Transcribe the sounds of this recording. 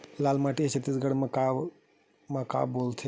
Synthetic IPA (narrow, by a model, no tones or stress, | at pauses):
laːlmaːʈiet͡ʃʰət̪isɡəɽmaka | mãka̰ːboːlt̪ʰe